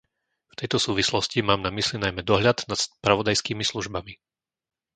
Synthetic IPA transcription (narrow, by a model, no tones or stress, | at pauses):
ft̪ɛjt̪ɔsuːʋislɔscimaːmnamislinajmɛd̪ɔɦʎad̪nat̪spɾaʋɔd̪ajskiːmisluʒbami